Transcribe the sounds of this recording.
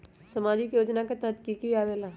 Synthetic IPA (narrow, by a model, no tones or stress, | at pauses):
sɐmaːd͡ʒikjoːd͡ʒnaket̪əd̪kikiaːʋeːla